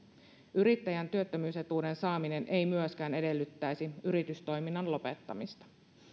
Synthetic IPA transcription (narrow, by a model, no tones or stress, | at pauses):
yɾit̪ːæjænt̪yøt̪ːømyːse̞t̪uːde̞nsɑːmine̞nʔe̞jmyøskæːne̞de̞lːyt̪ːæjsiyɾit̪yst̪o̞jminːɑnlo̞pe̞t̪ːɑ̰mist̪ɑ̥